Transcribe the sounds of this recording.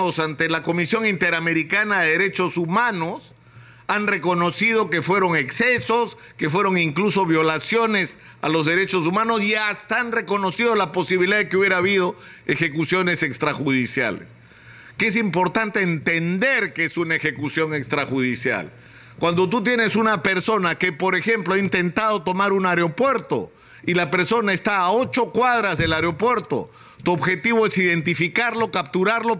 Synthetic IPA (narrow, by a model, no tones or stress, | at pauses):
osant̪elako̞misjo̞ŋint̪e̞ɾame̞ɾikanaðeðeɾe̞t͡ʃo̞sumano̞s | anre̞ko̞no̞sið̞o̞ke̞fwe̞ɾo̞ŋe̞kse̞so̞s | ke̞fwe̞ɾo̞ŋiŋkluso̞βjo̞lasjo̞ne̞s | a̰lo̞zðe̞ɾe̞t͡ʃo̞s̬umano̞siast̪aanre̞ko̞no̞siðo̞lapo̞siβiliðaðekeuβjeɾaːβið̞o̞e̞xe̞kusjo̞ne̞se̞kst̪ɾaxuðisja̰lḛs | kees̬impo̞ɾt̪ant̪e̞ːnt̪end̪e̞ɾkeesunaexe̞kusjo̞ŋe̞kst̪ɾaxuðisja̰l | kwand̪o̞t̪̬ut̪̬je̞ne̞sunape̞ɾso̞nakepo̞ɾe̞xe̞mploaint̪e̞nt̪að̞o̞t̪o̞maɾunaɾeo̞pwe̞ɾt̪o̞̰ | ilape̞ɾso̞naest̪aːo̞t͡ʃo̞kwaðɾazðe̞laɾeo̞pwe̞ɾt̪o̞̰ | t̪uoβxe̞t̪iβ̞o̞e̞siðe̞nt̪ifikaɾlo̞kap̚t̪uɾaɾlo̞